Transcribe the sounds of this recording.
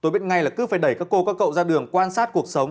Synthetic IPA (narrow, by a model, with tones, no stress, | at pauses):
t̪o˧jɓi˦˥t̚ŋa˧jlaː˨˩kɨ˨˦faː˧˩jɗə˧˩jkaː˦˥kːo˧kaː˦˥kːə̰˧˨wzaː˧ɗɨ˨˩əŋkwaː˧nsaː˦˥t̚ku˨˩ək̚sə˨˦wŋ͡m